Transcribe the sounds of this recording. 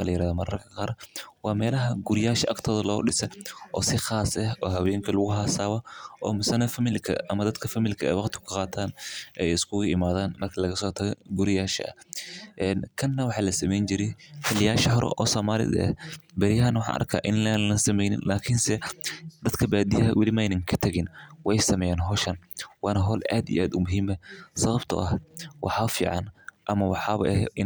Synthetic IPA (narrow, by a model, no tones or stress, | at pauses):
lɐjɪɾaːðɔmɐɾɐ̰rkʰɐqɑːɾwɑːmɛːlɐɦɐɡʊɾɪjaːʃɐʔɐkt̪ʰɔːðɐlɔ̰ːɗɪsɛʔɔːsɪxaːsɐhɔːɦɐwɛːŋkʰɐlʊɣʊɦaːsaːwɐʔɔ̰ːmɪsɐnɐfɐmɪlkʰɐ̰ʔɐmɐd̪ɐd̪kʰɐfɐmilkʰɐɛ̰ːwɑqt̪ʰɪ̥kʰʊqɑːt̪ʰaːnʔɛːjɪskʰʊɣʊɪmaːðaːnmɐrkʰɐlɐɣɐsɔːt̪ʰɐɣɛɡʊɾɪjaːʃɐ̰ɐ̰ʔɛːnkʰɐnːɐwɑħɑːlɐsɐmɛjnt͡ʃɪɾɪħʰɐlɪjaːʃɐɦɔɾɛ̰ʔɔːsɔːmaːlɪ̰ðɐ̰ɛ̰bɐɾɪjɐɦɐnwɑħɑ̰ːʔɐ̰rkʰaːʔɪnlɛlɐnsɐmɛjnɪ̰nlaːkʰɪnsɛd̪ɐd̪kʰɐbaːd̪ɪjɐɦɐwʔɪlɪmɛjnɐŋkʰɐt̪ʰɐɣɪnwɛjsɐmɛːjaːnɦɔːʃɐnwɑːnɐɦɔlʔa̰ːd̪ḭːʔaːd̪ʊmʊɦiːmɐsɐβɐbt̪ʰʊ̰ʔɐhwʔɑ̰ħɑːfḭːʕɑnʔɐmɐwɑħɑːβɐ̰ʔɛɪ